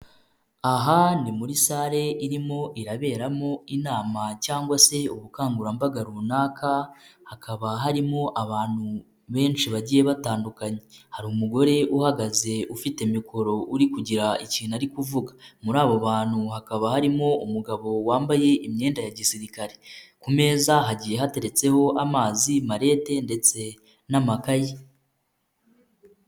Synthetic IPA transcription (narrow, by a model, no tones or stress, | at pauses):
aɦanimuɾisaːɾe̞ʔiɾimo̞ʔiɾaβe̞ːɾamo̞inaːmacaːŋɡwase̞uβukaːŋɡuɾambaɡaɾunaːkʰahakʰaβaɦaɾimo̞ʔaβaːn̥hu | βe̞ːnʃiβaɟije̞βataːndukaɲe̞haɾuːmuɡo̞ɾe̞ʔuhaɡaze̞ufitemikʰo̞ɾo̞ʔuɾikuɟiɾaiciːnaɾikuvuɡamuɾaːβo̞βaːn̥huhakaβahaɾimo̞umuɡaβo̞waːmbaje̞ʔimɲe̞ːndajaɟisiɾikaɾe̞kume̞ːzaɦaɟije̞ɦate̞ɾe̞t͡se̞ho̞ʔamaːzimaɾe̞ːte̞nde̞t͡se̞ | namakaje